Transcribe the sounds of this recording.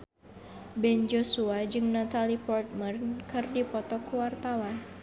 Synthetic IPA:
bɛnd͡ʒosuad͡ʒɨŋnat̪alipɔrt̪̚mərnkɨrdipɔt̪ɔkuwart̪awan

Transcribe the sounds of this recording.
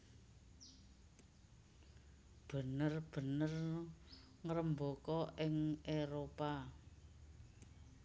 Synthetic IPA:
b̥ə̤nərb̥ə̤nər | ŋəɾəmbokɔʔɪŋeɾopa

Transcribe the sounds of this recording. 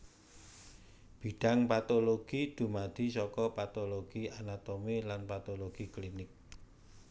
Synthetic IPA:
b̥i̤ɖ̥a̤ŋpat̪oloɡ̥id̪̥ṳmad̪̥i̤sɔkɔpat̪oloɡ̥ianat̪omilanpat̪oloɡ̥iklinɪk̚

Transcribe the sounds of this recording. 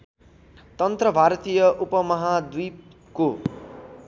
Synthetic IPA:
t̪ʌnt̪rʌbʱaɾt̪ijʌʔupʌmʌɦad̪uj | ko

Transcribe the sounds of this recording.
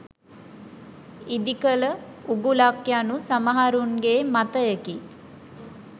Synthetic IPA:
id̪ikələuɡulakjanusamaɦaɾunɡeːmat̪əjəki

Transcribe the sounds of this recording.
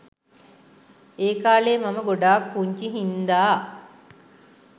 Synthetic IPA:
eːkaːleːmaməɡoɖaːkːuɲt͡ʃiɦind̪aː

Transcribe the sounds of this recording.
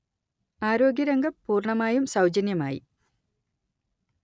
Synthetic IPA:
aːɾo̞ːɡjɐɾɐŋɡɐmpuːrɳɐmaːjumsɐwd͡ʑɐnjɐmaːjḭ

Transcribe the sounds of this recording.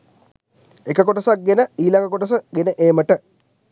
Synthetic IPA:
ekəkoʈɐsak̚ɡenəiːlaŋɡəkoʈəs̬əɡenəʔeːməʈə

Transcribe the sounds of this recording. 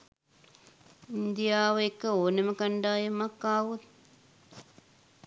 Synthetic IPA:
ind̪ijaːʋəekːəoːnəməkɐɳɖaːjemakːaːʋut̪̚

